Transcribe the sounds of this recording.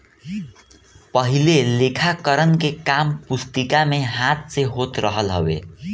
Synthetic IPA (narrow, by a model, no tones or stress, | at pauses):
pʌɦilelekʰakʌɾʌnkekampust̪ikameɦat̪̚t͡seɦot̪rʌɦʌlɦʌ̰wḛ